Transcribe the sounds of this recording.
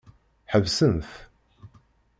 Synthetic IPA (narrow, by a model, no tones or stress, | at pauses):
ħəvsənθ